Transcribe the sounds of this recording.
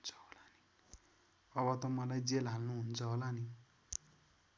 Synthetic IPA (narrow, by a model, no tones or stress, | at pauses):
nt͡sʰʌ̥ɦolani | ʌβʌt̪ʌmʌlajd͡zelɦalnuɦunt͡sʰʌɦolani